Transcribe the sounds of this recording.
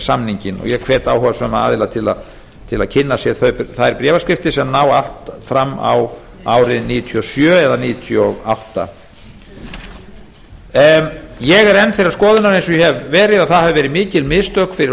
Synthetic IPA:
samniɲcɪnɔ̰ɣjɛkʰvɛːt̪awɦɔvasœma̰ːðɪlat̪ʰɪla̰ð | t̪ʰɪlaðcʰɪnːasjɛɾθœɥpθaðɛɾpɾɛːvaskɾɪft̪ɪsɛmnaːwa̰l̥t̪fɾamːa̰w | aːwɾɪðniːʏt̪ʰiɔsjœːɛðaniːjʏt̪ʰiɔawht̪a̰ | jɛɣɛɾɛnːfɪɾɪɾaskɔːðʏnaɾejns̬ɔjɛhɛvːɛːɾɪðaθaðhavɪvɛːɾɪmɪːcɪlmɪðst̪œkfɪɾɪ

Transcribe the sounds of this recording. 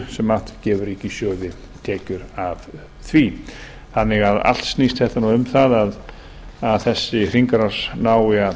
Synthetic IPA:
sɛmaht̪cɛːvʏɾiːcɪsjœːðɪ | t̪ʰɛːcʏɾav | θvi | θanːɪɣaða̰l̥t̪stnist̪hɛht̪anuʏmθaðað | aðθɛsːɪr̥iŋkaɾaɾ̥snaːwɪa

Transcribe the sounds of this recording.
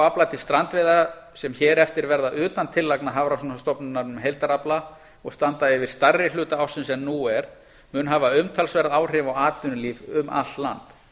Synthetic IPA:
aplat̪ɪ̥st̪ɾant̪veːðasɛmçɛːɾɛft̪ɪɾvɛɾðaʔʏːt̪ant̪ʰɪlːaknaɦavɾawsɔnast̪ɔpnʏnaɾnʏmɦejlt̪aɾapla | ɔɣst̪ant̪aɪvɪɾ̥st̪arːɪlʏːt̪aawsɪnsɛmnuɛɾ̥ | mʏnɦaːvaʏmt̪ʰalsvɛɾðaːwr̥ɪvaɣaːt̪ʏnʏliːvʏmʔa̰lt̪la̰nt̪

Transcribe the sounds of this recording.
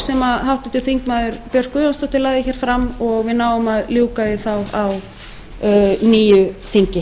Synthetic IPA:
sɛmaɦawht̪ɪt̪ɪlθiŋkmaːðʏɾpjœr̥kʏanst̪ɔht̪ɪlaːɣðɪçɛːɾ̥fɾamɔɣvɪðnaːwʏmaðljuːkaðɪθawaw | niːjʏθiɲcɪ

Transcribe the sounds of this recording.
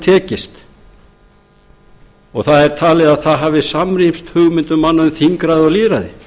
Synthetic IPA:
t̪ʰɛːcɪst̪ | ɔɣθaðɛɾ̥t̪ʰaːlɪðaðθaðɦaːvɪsamɾimst̪hʏɣmɪnt̪ʏmːanːaʏmθiŋkɾaðɪɔliːðɾaðɪ̰

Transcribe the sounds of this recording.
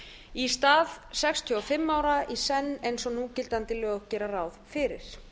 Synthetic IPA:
ist̪aːðsɛkst̪ʰjɔɔfɪmːawɾaʔisɛnːejnsɔnucɪlt̪ant̪ɪlœːɣɣcɛːɾaraːwðfɪɾɪ̰ɾ̥

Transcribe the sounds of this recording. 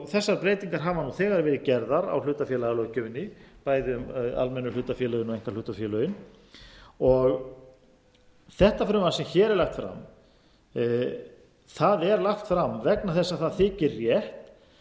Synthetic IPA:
θɛsːaɾpɾeːjt̪iŋkaɾ̥ɦavanuθɛːɣaɾvɛːɾɪcɛɾðaɾa̰wlʏːt̪afjɛːlaɣalœɣcʏmɪnːɪpaːjðɪʏma̰lmɛnːʏlʏːt̪afjɛːlœɣʏnɔɣejŋ̥kḁlʏːht̪afjɛːlœðʏn | ɔɣ | θɛht̪afɾʏːmaasɛmçɛːɾɛɾlaxt̪fɾa̰m | θaðɛɾlaxt̪fɾamvɛknaθɛsːaθaðθɪːcɪrːjɛht̪

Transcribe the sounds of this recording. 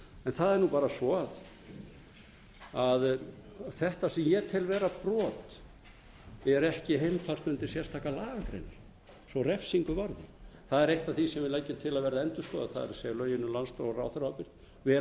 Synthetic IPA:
ɛnθaðɛɾnupaːɾasɔað | aðθɛht̪asɛmjɛt̪ʰɪlvɛːɾapɾɔːt̪ | ɛɾɛhcɪɦejmfar̥t̪ʏnt̪ɪsjɛrst̪ʰaːkalaːɣakɾḛn | svɔrɛfsiŋkʏvaɾðɪ̰θaðɛɾejht̪aθisɛmvɪlejcːɪt̪ʰɪlaðvɛɾðaɛnt̪ʏskɔðaθa̰ðɛ̰ɾseːjlœːɥjɪnːʏlanst̪owra̰ːwθɾawpɪɾ̥ | vɛ

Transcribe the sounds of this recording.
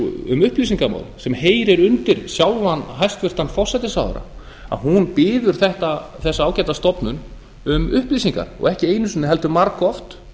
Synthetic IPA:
ʏ̰mʏhplisiŋkama̰ːwlsɛmheːjɾɪɾʏnt̪ɪɾ̥sjawlvanːɦajst̪vɪr̥t̪anfɔr̥sɛjt̪ɪsawð̰ɾa̰ | a̰ðɦunpɪːðʏɾ̥θɛht̪aθɛsːaaːwcajt̪ast̪ɔpnʏn | ʏmʏhplisiŋka̰ɾɔ̰ɣɛhcɪeːjnʏsʏnːɪɦɛlt̪ʏmaɾkɔft̪

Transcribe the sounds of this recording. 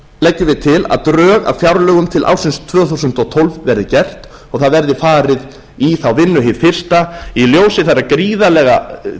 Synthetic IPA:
lɛcːʏvɪðt̪ʰɪla̰ðt̪ɾœːɣa̰wfjawɾlœːɣʏmt̪ʰɪlʔa̰wsɪnst̪ʰvœːθusʏnt̪ɔt̪ʰɔlvvɛɾðɪcɛr̥t̪ | ɔɣθaðvɛɾðɪfaːɾɪð | iθawvɪnːʏɦɪð̥fɪr̥st̪ailjoːwsɪθaɾːakɾiːðalɛːɣa

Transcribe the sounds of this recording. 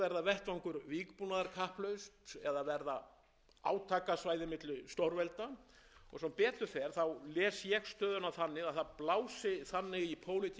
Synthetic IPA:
ɛɾðavɛht̪vawŋkʏɾviːkpunaðaɾkʰahplœɥst̪ɛðavɛɾða | a̰ːwt̪ʰaːkasvaːjðɪmɪt̪lʏst̪owɾvɛlt̪a | ɔ̰ɣsɛmpɛːt̪ʏ̥θɛɾ̥θawlɛːsjɛɣst̪œːðʏnaθanːɪɣaθaðplaːwsɪθanːɪɣipʰoːwlɪt̪ʰ

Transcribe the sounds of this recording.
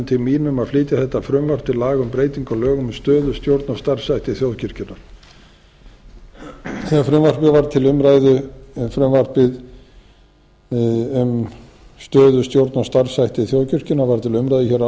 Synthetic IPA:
t̪ʰɪlmiːnʏmaðfliːt̪ɪθɛht̪ːafɾʏmvar̥pɪlaːɣʏmpɾeːjt̪iŋkɔlœːɣʏmʏst̪œːðʏst̪jowɾt̪nɔst̪ar̥sajht̪ɪθjowðcʏr̥cɪnːaɾ̥ | θɛɣafɾʏmvar̥pɪvaɾt̪ʰɪlʏmɾajðʏfɾʏmvar̥pɪð | ʏm | st̪œːðʏst̪jowɾt̪nɔst̪ar̥sajht̪ɪθjowðcʏr̥cɪnavaɾ̥t̪ʰɪlʏmɾajðɪçɛɾa

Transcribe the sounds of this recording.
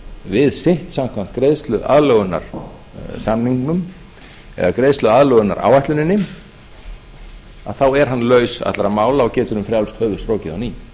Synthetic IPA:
vɪðsɪht̪sam̥kʰvam̥t̪kɾeðst̪lʏðʔa̰ðlœɣʏna̰ɾ̥ | samniŋknʏm | ɛ̰ðakɾeːðst̪œðaðlœːɣʏna̰ɾʔa̰ːwvajht̪lʏnɪnːɪ | a̰ðθawɛɾ̥ɦanːlœːɥsa̰t̪laɾamaːwlaɔɣcɛːt̪ʏɾʏmfɾjawlst̪hœːvʏst̪ɾoːwcɪðawniː

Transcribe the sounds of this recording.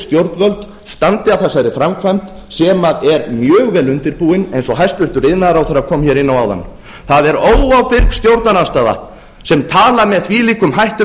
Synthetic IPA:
st̪jowɾt̪nvœlt̪ | st̪ant̪ɪaθɛsaɾɪɾ̥fɾamkʰvajm̥t̪ | sɛmaðɛɾmjœːɣvɛːlʏnt̪ɪɾpuːɪnejnsɔɦajst̪vʏr̥t̪ʏɾɪðnaðɾawθaɾakʰɔːmçjɛɾɪnːawaːwða̰nː | θaðɛɾoːwawpɪɾkst̪jowɾt̪nanast̪aːða̰ | sɛmt̪ʰaːlamɛðθviliːkʏmɦajht̪ʏ

